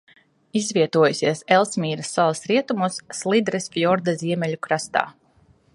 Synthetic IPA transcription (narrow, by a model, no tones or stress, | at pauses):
izvʲiɛt̪uɔjusʲiɛsɛlˠsmʲiːɾɐsːɔlˠsɾiɛt̪umusːlˠid̪ɾɨsfjɔɾd̪aziɛmʲɛʎukɾast̪a̰ː